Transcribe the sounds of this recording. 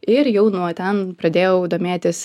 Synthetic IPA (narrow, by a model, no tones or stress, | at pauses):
ɪɾjɛʊnuɔt̪ʲɛnpɾɐd̪ʲeːjɛʊd̪oːmʲeːt̪ʲɪs